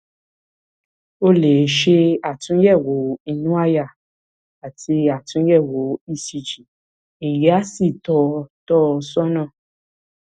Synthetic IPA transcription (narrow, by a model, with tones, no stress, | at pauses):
o˦le˨˦ʃe˦a˨tũ˦jɛ˦˨wo˨˦i˧nũ˦a˦˨ja˦˨ | a˨tʰi˧a˨tũ˨˦jɛ˦˨wo˨˦i˦˧si˧d͡ʒi˨ | e˨je˨˦a˦si˦˨tɔ˧tɔ˦˧sɔ˦nã˦˨